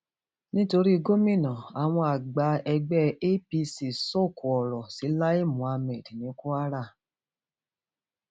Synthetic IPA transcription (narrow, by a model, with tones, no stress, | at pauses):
nĩ˦to˧ɾi˦i˧ɡo˦mĩ˦˨nɔ̃˨a˨w̃ɔ̃˧a˨ɡ͡ba˧˦ɛ˧ɡ͡bɛ˦e˦pi˧si˨so˦˨ku˨ɔ˨ɾɔ˨si˨˦la˦i˦˨mũ˨a˧mɛ̃˨dnĩ˨˦ku˦a˦ɾa˦˨